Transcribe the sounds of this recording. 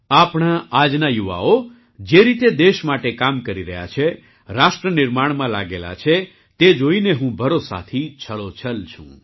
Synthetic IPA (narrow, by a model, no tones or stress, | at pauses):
apɽ̃aad͡ʒnajuʋa̰o | d͡ʒeɾit̪ed̪eʃmaʈekamkəɾiɾəɦja̰t͡ʃʰe | ɾaʃʈɾənɪɾmaɽ̃mãlaɡela̰t͡ʃʰe | t̪ed͡ʒoineɦũbʱəɾosa̰t̪ʰit͡ʃʰəɭot͡ʃʰəlt͡ʃʰṵ̃